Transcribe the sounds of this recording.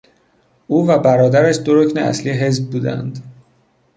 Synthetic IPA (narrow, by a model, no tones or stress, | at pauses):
ʔuːvæbæɾɒːd̪æɾæʃd̪o̞ɾocneæ̰sliːɦe̞zbːuːd̪æ̰nd̪